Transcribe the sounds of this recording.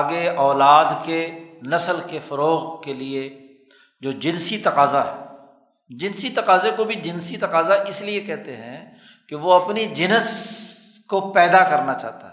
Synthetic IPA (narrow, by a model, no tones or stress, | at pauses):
aɡeɔːlaːd̪kenɐsəlkefɐɾoːɣkelie | d͡ʒoːd͡ʒɪnsit̪ɐqaːzaɦɛ | d͡ʒɪnsit̪ɐqaːzekobʱid͡ʒɪnsit̪ɐqaːzaʔɪsliekɛɦt̪eɦɛ̰̃ | keʋoɐpnid͡ʒɪnəs | kopɛːd̪akɐɾnat͡ʃa̰ːt̪a̰ɦɛ